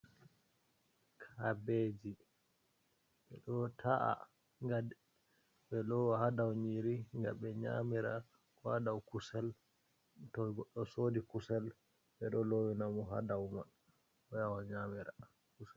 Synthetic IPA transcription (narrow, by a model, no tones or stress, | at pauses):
kʰabed͡ʒi | ɓɛɗɔtʰaʔa̰ | ŋɡadɛ | ɓɛlowahadawɲiɾiŋɡaɓɛɲa̰miɾa | kɔadawkusɛl | tɔɡɔɗːɔsodikusɛl | ɓɛɗɔlowinamɔɦa̰dawma̰n | ɔjawaɲamiɾa | kusɛl